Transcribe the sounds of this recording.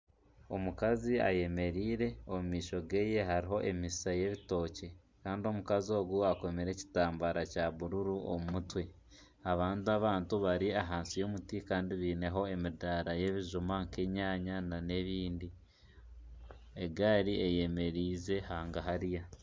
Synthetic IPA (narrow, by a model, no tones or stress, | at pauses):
o̞mukazia̰je̞me̞ɾiːɾe̞omumiːʃo̞ɡe̞ːje̞ɦaɾiɦo̞ʔemisaje̞βito̞ːce̞ | kaːndio̞mukazo̞ːɡuako̞meɾe̞ci̥taːmbaɾacaβuɾuɾuo̰mumutwe̞ | aβaːntiaβaːntuβaɾiaɦaːnsijo̞ːmutikaːndiβiːne̞ɦo̞e̞midaɾaje̞βiʒumaŋke̞ɲaːɲanane̞βiːndi | eɡaːɾieje̞me̞ɾiːze̞haːŋɡaɦaɾija